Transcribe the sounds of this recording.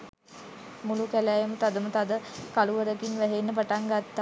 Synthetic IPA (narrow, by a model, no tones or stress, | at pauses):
mulukælæjəmət̪ad̪əmət̪ad̪əkaluʋəɾəkinʋæɦenːəpaʈaŋɡat̪ːa